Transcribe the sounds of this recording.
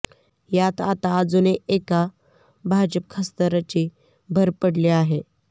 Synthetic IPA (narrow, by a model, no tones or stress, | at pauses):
jat̪at̪aːd͡zuneʔeka | bʱad͡ʑəp̚kʰəst̪əɾat͡ɕe | bʱəɾpəɽleaɦe